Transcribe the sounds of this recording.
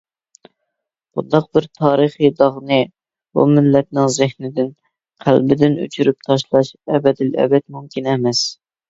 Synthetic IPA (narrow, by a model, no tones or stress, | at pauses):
b̥ṵnd̪ɑq̚bɪɾt̪ʰɑːɾɨχid̪ɑʁnɨ | bṵmɪlːɛt̪̚nɪŋzɪhnɪd̪ɪn | qʰæ̰lbɪd̪ɪny̰t͡ʃʰyɾyp̚t̪ʰɑʃlˠɑʃɛbɛd̪ɪlɛ̰bɛt̪mumkʲinɛmɛs